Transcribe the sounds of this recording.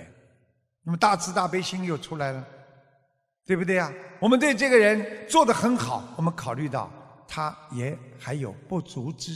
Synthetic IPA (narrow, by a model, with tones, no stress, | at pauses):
na˥˩mə˨˩t̪a˥˩t͡sʰɹ̩˥t̪a˥˩pe˥ɪɕi˥ŋjo˥˩ʊʈ͡ʂʰu˥la˧˥ɪlə˨ | t̪we˥˧ɪbu˩t̪we˥˩ɪja˩wɔ˨˩mə˦nt̪we˥˧ɪʈ͡ʂɤ˥˩ɡə˩ɻə˧˥nt͡swɔ˥˩d̪ə˩xə˧˥nxɑ˨˦ʊwɔ˨˩mə˦nkʰɑ˨˩ʊly˥˧t̪ɑ̰˥˩ʊt̪ʰa˥jɛ˧˥xa˧˥ɪjo˨˩ʊpu˥˩t͡su˧˥ʈ͡ʂɻ̩˥